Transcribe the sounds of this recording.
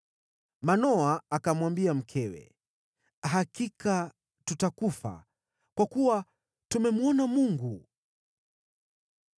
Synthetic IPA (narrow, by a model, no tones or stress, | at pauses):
manɔaːkamwambiam̩kʰɛwɛ̰ | ɦakika | tutakufa̰ | kwakuwa | tumɛmuɔnamuŋɡu